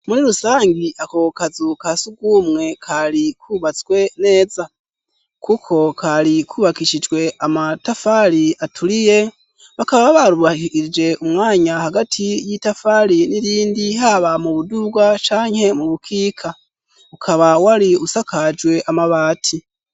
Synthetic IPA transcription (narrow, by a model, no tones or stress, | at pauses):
muɾiɾusaːŋɡiʔakokazukasuɡwumŋe̞kʰaɾikʰuːβat͡sɡwe̞ne̞ːza | kukʰo̞kʰaɾikʰuβakiʃid͡ʒɡwe̞ʔamatafaɾiatʰuɾije̞ | βakaβaβaɾuβaiid͡ʒe̞ʔumŋaːɲahaɡatʰijitafaɾiniɾiːndiɦaβamuβuduɡwat͡ʃaːɲhe̞muβukʰiːkʰa | ukʰaβawaɾiusakad͡ʒwe̞ʔamaβaːtʰi